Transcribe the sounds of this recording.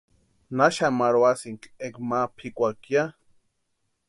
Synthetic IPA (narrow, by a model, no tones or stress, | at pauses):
naʃamaɾwasiŋkʼekmapʰikʷakja